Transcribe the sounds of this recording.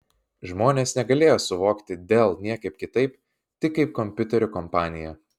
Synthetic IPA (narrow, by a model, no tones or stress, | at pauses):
ʒmoːnʲeːsnʲɛɡɐlʲeːjoːsʊʋoːkt̪ʲɪd̪ʲeːlˠnʲiɛkɐɪp̚kʲɪt̪ɐɪp | t̪ʲɪkːɐɪp̚kɔmʲpʲʊt̪ʲɛɾʲʊkɔmpɑːnʲɪjɛ